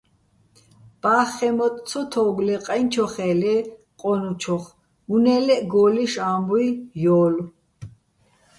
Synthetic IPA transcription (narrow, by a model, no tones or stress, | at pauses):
b̥aːχɛmɔt̪ʼt͡sʰɔt̪ʰɔɡlɛqʼant͡ʃʰɔχɛːlɛ | qʼɔnut͡ʃʰɔχ | munɛːlɛɡɔːliʃaːmbuijɔːl